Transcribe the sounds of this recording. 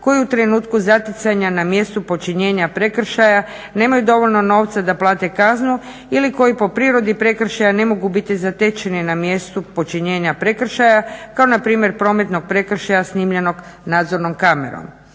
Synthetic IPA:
ko̞jiut̪ɾe̞nuːt̪kuzat̪jet̪saɲanamje̞st̪upo̞t͡ʃiɲe̞ːɲapɾe̞kr̩ʃaja | ne̞ːmajud̪o̞ʋo̞ʎno̞no̞ːʋt̪sad̪aplˠaːt̪e̞kaznu | iliko̞jipo̞pɾiːɾo̞d̪ipɾe̞kɾ̩ʃajane̞mo̞ɡubit̪izat̪e̞t͡ʃeninamjest̪upo̞t͡ʃiɲe̞ːɲapɾe̞kr̩ʃajakao̞napɾiːmʲje̞ɾpɾo̞ːme̞t̪no̞ɡ̚pɾe̞kr̩ʃajasniːmʎeno̞ɡ | naːd̪zo̞ɾno̞mkame̞̰ɾo̰m

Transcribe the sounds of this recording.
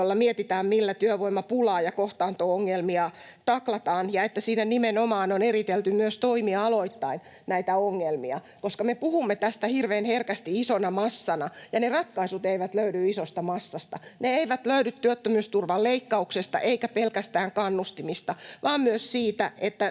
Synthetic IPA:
jolːɑmiet̪it̪æːmmilːæt̪yøʋoimːˑɑpulɑːjɑkoht̪ɑːnt̪oːoŋːelmiɑt̪ɑklɑt̪ɑːnjɑet̪ːæsiːnænimenomɑːnonerit̪elt̪ymyøst̪oimiɑɑloit̪ːɑin | næit̪æoŋːelmiɑ̰ | koskɑmepuhumːet̪æst̪æhirʋeːnherkæst̪iisonɑmɑsːɑnɑjɑnerɑt̪kɑisut̪eiʋæt̪løydyisost̪ɑmɑsːɑst̪ɑneeiʋæt̪løyɾyt̪ːyøt̪ːømyːst̪urʋɑlleikːɑuksest̪ɑ̰ʔeikæpelkæst̪æːŋkɑnːust̪imist̪ɑʋɑːmmyøssiːt̪æʔet̪ːæ

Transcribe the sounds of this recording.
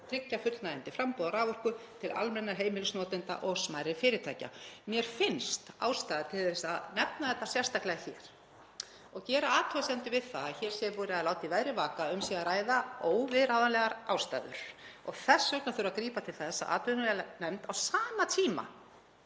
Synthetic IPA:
t̪ʰɾɪcːafʏt̪lnaɪnt̪ɪfɾampɔðaɾavɔr̥kʏt̪ʰɪla̰lmɛnːaɦeːjmɪlʏsnɔːt̪ɪnt̪a̰ʔɔɣsmaːjɾɪfɪːɾɪɾt̪ʰajca̰mjɛɾ̥fɪnst̪a̰ːwst̪ajðat̪ʰɪlɛsanɛpnaθɛht̪ːasjɛr̥st̪aklɛɣaçɛːɾ̥ | ɔɣcɛːɾaaːt̪ʰʏasɛnt̪ʏvɪðθaaçɛɾ̥sjɛvuːɾɪaðlaːwt̪ivaðɾɪvaːkaʏmsiːɣaɾaːjðaoːwvɪðɾaðanlɛɣaɾawst̪a̰ːðʏ̰ɾ̥ɔ̰ɣθɛsːœknaθʏɾakɾiːpat̪ʰɪlθθθɛsːa̰ʔa̰ːt̪ʰʏnnɛmt̪awsaːmat̪ʰiːma̰

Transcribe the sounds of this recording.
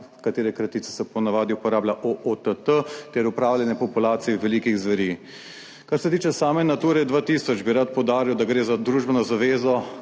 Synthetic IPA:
kat̪eːɾɛkɾɐt̪iːt̪ɛ̥sɛpɔnaʋaːd̪iupɔɾaːbljaʔoʔot̪ət̪ət̪ɛɾupɾaːwlʲjɛnɛpɔpulaːt̪sijɛʋɛliːkiɣzʋɐɾi | kaɾsɛt̪iːt͡ʃɛsaːmɛnat̪uːɾɛd̪ʋat̪iːsɔd͡ʒbiɾat̪̚pɔwd̪aːɾiwd̪aɡɾeːzad̪ɾuːʒbɛnɔzaʋeːzɔ

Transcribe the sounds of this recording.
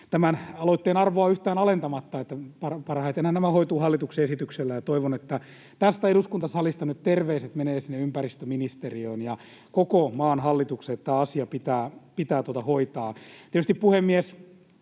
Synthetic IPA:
t̪æmænɑloit̪ːeːnɑrʋoɑyht̪æːnɑlent̪ɑmɑt̪ːɑet̪ːæpɑrpɑrhɑit̪enhænnæmæhoit̪uːhɑlːit̪ukseesit̪ykselːæjɑt̪oiʋonet̪ːæ | t̪æst̪æeduskunt̪ɑsɑlist̪ɑnyt̪t̪erʋeiset̪meneːsinːeympærist̪øminist̪erioinjɑ | kokomɑːnhɑlːit̪ukseet̪t̪ːæːɑsiɑpit̪æːpit̪æːt̪uot̪ɑhoit̪ɑːiet̪yst̪ippuhemːies

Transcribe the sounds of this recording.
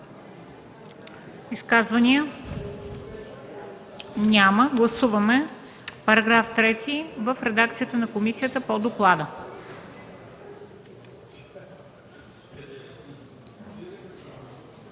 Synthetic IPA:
iskazvɐniə | nʲaməɡlˠɐsuvɐmɛ | pɐɾɐɡɾaft̪ɾɛt̪ʰivəfɾɛd̪ak̚t̪sijət̪ənɐkomisijət̪əpod̪oklˠad̪ə

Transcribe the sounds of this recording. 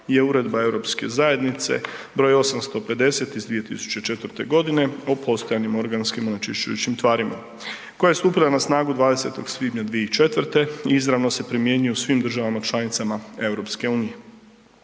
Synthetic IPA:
je̞uɾe̞d̪bae̞wɾo̞pske̞̰zaje̞d̪nit̪se̞̰bɾo̞jo̞samst̪o̞pe̞d̪e̞se̞t̪izd̪ʋije̞t̪ḭsu̥t͡ɕe̞t͡ʃe̞t̪ʋəɾt̪e̞ɡo̞d̪ine̞opʰo̞st̪o̞janimo̞ɾɡanskimonat͡ʃiʃt͡ʃṵjṵt͡ɕimt̪ʋaːɾima̰ | ko̞jajest̪uːpilˠanasnaːɡud̪ʋaːd̪e̞set̪o̞ɡsʋiːd̪ɲad̪ʋijeit͡ʃe̞t̪ʋrɾt̪e̞iizɾaʋno̞se̞pɾimje̞ɲujosʋimd̪r̩ʒaʋamat͡ʃlˠanit̪samae̞wɾo̞pske̞uːnije̞

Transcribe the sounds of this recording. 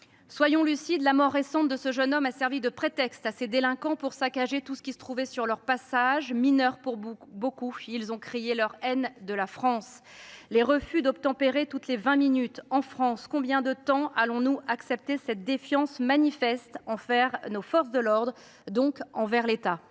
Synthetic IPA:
swajɔ̃lysid̪lamɔʁːesɑ̃t̪̚d̪əsəʒənɔmasɛʁvid̪əpχet̪ɛkst̪ased̪elɛ̃kɑ̃puʁsakaʒet̪usə̥kʲisə̥t̪χuvɛsyʁlœʁpasaʒminœʁpuʁbokuilzɔ̃kχejelœʁɛnd̪əlafχɑ̃s | leʁəfyd̪ɔp̚t̪ɑ̃peʁet̪ut̪levɛ̃minyt̪ɑ̃fχɑ̃skɔ̃bjɛ̃d̪ət̪ɑ̃alɔ̃nuʔaksɛp̚t̪esɛt̪̚d̪efjɑ̃smanifɛst̪ɑ̃fɛʁnofɔʁs̬d̪əlɔʁd̪ʁ | d̪ɔ̃kɑ̃vɛʁlet̪a

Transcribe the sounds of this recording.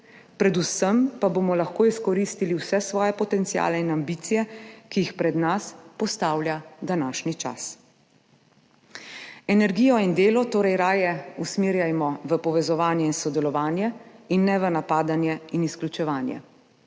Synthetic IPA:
pɾɛd̪usəmpabomɔlaxkoːiskɔɾiːst̪iliwsɛsʋɔːjɛpɔt̪ɛnt̪sia̰ːlɛinambiːt̪sijɛkijixpɾɛd̪naspɔst̪aːwljad̪anaːʃnit͡ʃa̰s | ɛnɛɾɡiːjɔind̪eːlɔt̪oːɾɛjɾaːjɛusmiːɾjajmɔʋəpɔʋɛzɔʋaːnjɛinsɔd̪ɛlɔʋaːnjɛinːɛʋənapaːd̪anjɛinisklʲut͡ʃɛʋaːnjɛ̰

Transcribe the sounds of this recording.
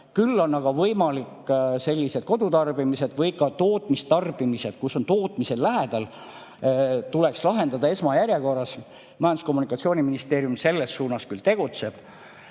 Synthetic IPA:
kylːo̞nːɑɡ̥ɑvɤjmɑlikːse̞lʲːise̞d̪̥̚ko̞d̪ut̪ɑrb̥imise̞d̪̥vɤjkɑt̪o̞ːt̪ːˑmist̪ɑrb̥imise̞d̪̥kuso̞nt̪o̞ːt̪ːˑmise̞llæɦed̪̥ɑl | t̪ule̞kslɑɦe̞nd̪̥ɑd̪ɑe̞smɑjæɾʲjeko̞rːɑs | mɑjɑnd̪usko̞mːunikːˑɑt̪sio̞ːnʲiminist̪e̞ːɾjumse̞lːe̞sːuːnɑskylt̪e̞ɡ̥ut̪se̞b̥

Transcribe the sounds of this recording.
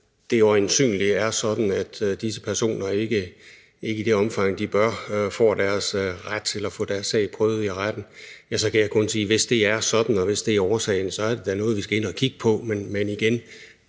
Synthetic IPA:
d̥e̝joensy̰ːnliæɐsɒ̽d̥n̩æd̥d̥is̬əpʰæɐso̝̰ːnɐe̝ɡ̥ə | e̝ɡəid̥e̝ɒ̽mfɑ̈ŋ̰d̥ib̥ɶɐfɒ̰ːd̥æɐsʁad̥̚t͡sʰe̝læfɔ̰ːd̥æɐsːɛ̰ɪ̰pʰʁœːʊð̞̩ˠiʁad̥n̩jæsɒ̽kʰæjäɪkʰɔ̽nsiːʋe̝sd̥e̝æɐsɒ̽d̥n̩ɒ̽ʋe̝sd̥e̝æɐɒːsɛ̰ɪnsɒ̽æɐd̥e̝d̥ænɔ̽ːðˠʋisɡ̥æe̝nɒkʰiɡ̥ə̥pʰɒ̽menmeniɡ̥en

